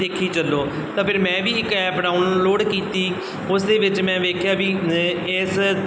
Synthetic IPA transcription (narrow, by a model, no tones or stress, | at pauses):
eːkʰiːt͡ʃəlːoː | t̪ãːpʰɪɾmɛ̃ːʋiːɪkɛːpɖaːʊnloːɖkiːt̪iː | ʊsd̪eːʋɪt͡ʃmɛ̃ːʋeːkʰjaːʋiːɪs